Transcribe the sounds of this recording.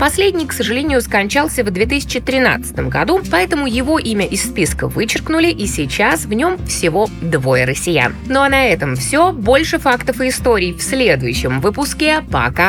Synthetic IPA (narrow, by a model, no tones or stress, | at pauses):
pɐsʲlʲedʲnʲɪjksəʐɨlʲenʲɪjʊskɐnʲt͡ɕalˠsʲəvd̪vʲet̪ɨsʲɪ̥t͡ɕɪt̪ɾʲɪna̰t̪sɨ̥t̪əmɡɐ̰d̪upɐɛt̪əmʊjɪvo̞ʔimʲəʔɪsːpʲiskə̰vɨt͡ɕɪrknʊlʲɪʔisʲɪt͡ɕasvnʲo̞mfsʲɪvo̞d̪vo̞jəɾəsʲːɪja̰nno̞ɐnɐɛt̪əmfsʲobo̞lʲʂɨfakt̪əfɨːst̪o̞ɾʲɪjfsʲlʲe̞d̪ʊjʉɕːɪmvɨpʊskʲepɐ̰ka